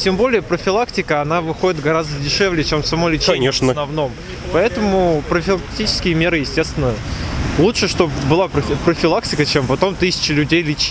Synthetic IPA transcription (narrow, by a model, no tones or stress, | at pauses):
tʲembo̞lʲɪjəpɾəfʲɪlˠaktʲɪkəɐnavɨxo̞dʲɪt̪ɡɐɾazd̪ədʲɪʂɛvlʲɪjət͡ɕemfsɐmolʲɪt͡ɕeeʂnənɐvno̞m | pɐɛt̪əmʊpɾəfʲɪlˠɐkk̚tʲit͡ɕɪ̥skʲɪjəmʲe̞ɾɨjɪsʲtʲe̞st̪vʲɪnəlˠutʂɨʂt̪o̞pbɨlˠapɾəpɾəfʲɪlˠak̚tʲɪkət͡ɕempɐt̪o̞mt̪ɨsʲɪ̥t͡ɕɪlʲʉdʲejlʲɪt͡ɕi̥